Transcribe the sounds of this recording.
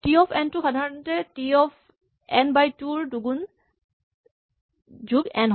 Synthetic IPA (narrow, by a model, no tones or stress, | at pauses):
tiɔpʰɛntuxadʱaɹɔntɛtiɔpʰ | ɛnbajtuɹduɡun | d͡ʒuɡɛnɦ